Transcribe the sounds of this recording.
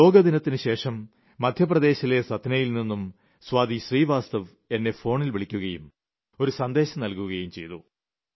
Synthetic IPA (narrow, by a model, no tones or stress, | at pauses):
lo̞ːɡɐd̪inɐt̪ːinɨɕe̞ːʂɐmː | ɐd̪ʱjɐprɐd̪e̞ːɕile̞sɐd̪ʱnɐjilninːum | sʋaːd̪iɕriːʋaːst̪ɐʋ | e̞nːe̞fo̞ːɳilʋiɭikʲːuɣɐjum | o̞ɾusɐnd̪e̞ːɕɐmnɐlkuɣɐjumt͡ɕe̞jt̪u